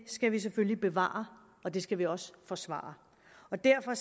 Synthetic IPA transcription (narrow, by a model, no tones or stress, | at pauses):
sɡ̥æʋis̬eføllib̥e̝ʋɑ̰̈ːɐ | ɒ̽d̥e̝sɡ̥æʋiɒ̽sfɒ̽sʋɑ̰̈ːɐ | ɒ̽d̥æɐfɒ̽